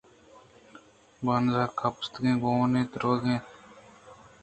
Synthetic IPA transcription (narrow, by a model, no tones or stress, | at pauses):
banzaːkʰapst̪ɡẽːɡonẽːt̪ɾoːɡẽ